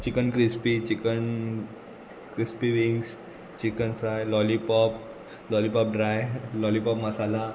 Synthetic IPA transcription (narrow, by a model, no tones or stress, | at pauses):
t͡ɕikənkɾispit͡ɕikən | kɾispiʋiŋɡs | t͡ɕikənfɾajlɔlipɔp̚ | lɔlipɔp̚ɖɾajlɔlipɔpməsala